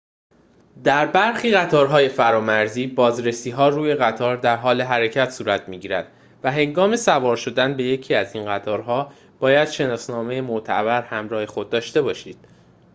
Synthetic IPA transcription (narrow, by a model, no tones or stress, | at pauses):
d̪æɾbæɾxiːɣæt̪ʰɒːɾɦɒːje̞fæɾɒːmæɾziːbɒːzɾe̞siːɦɒːruːje̞ɣæt̪ʰɒːɾd̪æɾɦɒːle̞ɦæɾe̞cʰæt̪ʰsuːɾæt̪ʰmiːɟiːɾæ̰d̪̥ | væɦe̞ŋɡɒːme̞sævɒːɾʃo̞d̪ænbe̞je̞cʰiːæzinɢæt̪ʰɒːɾɦɒː | b̥ɒːjæd̪̥ʃe̞nɒːsnɒːme̞jemoʔt̪ʰæ̰bæɾhæmɾɒːhe̞xo̞d̪̚ːɒːʃt̪e̞bɒːʃiːd̪̥